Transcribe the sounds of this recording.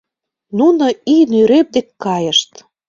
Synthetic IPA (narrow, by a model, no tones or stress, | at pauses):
nunoinyɾep̚d̪ekkːɑjəʃt̪